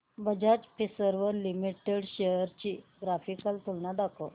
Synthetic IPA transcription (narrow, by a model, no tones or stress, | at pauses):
bəd͡ʑad͡ʑpisəɾʋəɾlimiʈeɽɕejəɾt͡ɕiːɡɾafikəlt̪ulnad̪akʰə